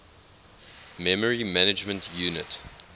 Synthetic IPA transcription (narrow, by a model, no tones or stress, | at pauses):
mɛməɹimænɪd͡ʒmə̃ntʰjuːnɪt